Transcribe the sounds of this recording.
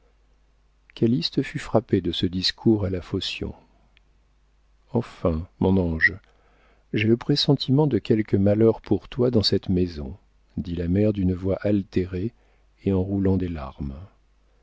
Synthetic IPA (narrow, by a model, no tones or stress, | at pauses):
kʲalist̪əfyfχaped̪əsəd̪iskʰuʁalafosjɔ̰̃ | ɑ̃fɛ̃mɔ̃nɑ̃ʒ | ʒɛləpχesɑ̃t̪ʰimɑ̃d̪əkʲɛlkəmalœʁpuʁt̪wad̪ɑ̃sɛt̪mezɔ̰̃ | d̪ilamɛʁd̪ynəvwaʔalt̪eʁeː | ɑ̃ʁulɑ̃d̪elaʁm